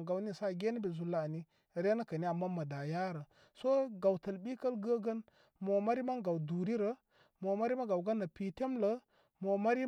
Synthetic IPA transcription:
ɡa˨wni˦sa˦˨ɡe˦ni˦be˨zu˨lːa˦˨ni˦˨ | ɾe˦na˦ka˨ni˦a˨mːa˦ma˨da˨ja˦ɾə˨ | so˦ɡa˨wtə˨lbi˦kə˦lɡə˦ɡə˦n | mo˨ma˦ɾi˦ma˦nɡa˨wdu˨ɾi˦ɾə˨ | mo˨ma˦ɾi˦ma˦ɡa˨wɡa˦nːa˨pi˨te˦mlə˨˦ | mo˨ma˦ɾi˦

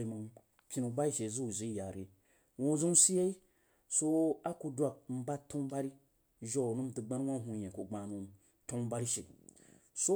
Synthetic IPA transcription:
i˨ma˨ŋ | kʲi˦nu˨˧ba˦i˦ʃe˨zu˦u˨zi˨˦ja˨ɾe˨ | wo˦˨zu˦si˦je˦i˦ | so˦a˦ku˧dʷa˧˨k̚m̩˦ba˦tõ˦ŋ˦ba˦ɾi˦ | ʒo˦u˨nu˦m˦tu˨ɡ͡ba˦n˦wʷa˦n˦ɦu˧˨jẽ˨ku˨ɡ͡ba˨nu˨ | to˦ŋ˦ba˦ɾi˦ʃe˨ | so˦

